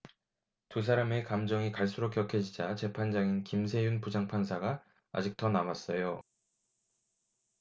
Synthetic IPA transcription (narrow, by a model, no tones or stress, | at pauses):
tus̬ʰaɾame̞kamd͡ʑʌŋikaɭs͈uɾokʰjʌkʰed͡ʑid͡ʑat͡ɕe̞pʰand͡ʑaŋinkimsʰe̞junpud͡ʑaŋpʰansʰaɡa | a̰d͡ʑik̚t͈ʌnamas͈ʌjo